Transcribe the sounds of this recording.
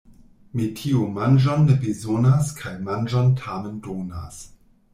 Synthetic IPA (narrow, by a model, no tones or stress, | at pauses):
mitʰiumand͡ʒonːebezonaskʰajmand͡ʒantʰamendona̰s